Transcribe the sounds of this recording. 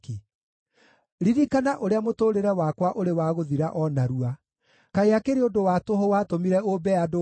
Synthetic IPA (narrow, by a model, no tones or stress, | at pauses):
ki | ɾiɾikanaʔoɾeamotoːɾeɾɛwaːkwaʔoɾewaːɣoðiɾaʔɔnaɾua | kaeakeɾeodowatoɦɔwatomiɾɛobɛado